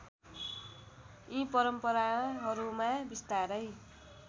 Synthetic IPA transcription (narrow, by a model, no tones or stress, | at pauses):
ĩpʌɾʌmpʌɾaɦʌɾumabist̪aɾʌj